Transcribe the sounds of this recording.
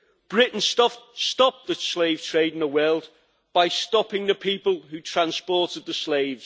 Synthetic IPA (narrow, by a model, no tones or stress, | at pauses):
b̥ɹɪʔn̩stʌstɒp̚ðəsleɪv̥tʰɹ̥eɪdɪ̃nðəwɜːlˠd | b̥aɪstɒpɪ̃ŋðəpʰiˑpəlˠhʉtʰɹ̥ãnspɔˑtɪd̪̚ðəsleɪvz̥